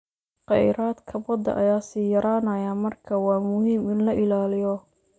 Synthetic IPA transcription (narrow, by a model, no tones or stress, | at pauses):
qɛ̰jɾaːd̪kʰɐbɔd̪ɐ̰ʔɐ̰jaːsiːjɐɾaːnɐjaːmɐrkʰɐwɑːmʊhiːmɪnlɐʔɪlaːlɪjɔ